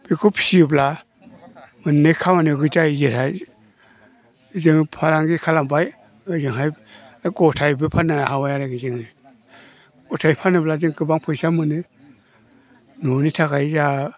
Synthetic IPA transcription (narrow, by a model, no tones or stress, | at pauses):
b̥ikʰupʰsibla | mɯnnɯjkʰamanɯɡɯtaizɯɾaj | zɯŋpʰaɾaŋɡikʰalambaj | ɯzɯŋɦaj | ɡɔtʰajbɯpʰanahawajaɾaɡizɯŋɯ | ɡɔtʰajpʰanɯblazɯŋɡɯbaŋpʰɯjsamɯnɯ | nonitʰakajza